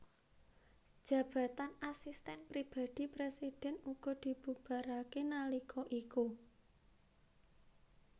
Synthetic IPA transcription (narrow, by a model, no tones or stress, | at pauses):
d̥ʒ̥ä̤b̥a̤t̪anasist̪ɛnpɾib̥a̤d̪̥i̤pɾesid̥ɛ̤nuɡ̥ɔ̤d̪̥i̤b̥ṳb̥a̤ɾakenalikʰɔʔiku